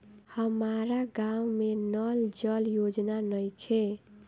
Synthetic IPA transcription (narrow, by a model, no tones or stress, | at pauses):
həmaɾaɡãumenəld͡ʒəljod͡ʒnanəjkʰe